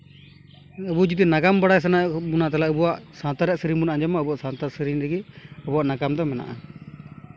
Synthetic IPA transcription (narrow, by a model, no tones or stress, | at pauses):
əbud͡ʒit̪inakambaɽajs̬anabunat̪alaʔəbuwaʔsãt̪aɾɛʔsəɾibunaʔad͡ʒamaəbuaʔsãt̪asəɾinɾɛɡiəbuwaʔnaɡamd̪ɔmɛna̰ʔa̰